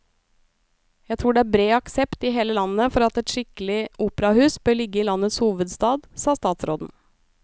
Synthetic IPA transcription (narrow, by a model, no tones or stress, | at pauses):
jæt̪ʰɾuːɖɛæːbɾeːɑksɛpt̪ɪɦeːləlɑnːəfɔɾɑt̪ɛt̪ʃɪkəlɪʔuːpəɾɑhʉːsbœːɭɪɡːəiːlɑnət̪shuːʋəd̪st̪ɑːd̪sɑːst̪ɑːt̪sɾoːd̪n̩